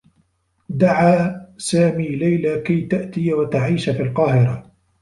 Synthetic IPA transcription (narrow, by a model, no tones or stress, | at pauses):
d̪aʕaːsaːmiːlajlaːkajt̪aʔt̪ɪjawat̪aʕiːʃafiːlqɑːhɪɾa